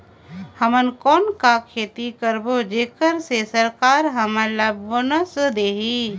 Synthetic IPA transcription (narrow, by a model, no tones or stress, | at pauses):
həmənkɔːnkakʰeːt̪ikəɾbod͡ʒeːkəɾsesəɾkaːɾɦəmələbʋonəsd̪eːɦi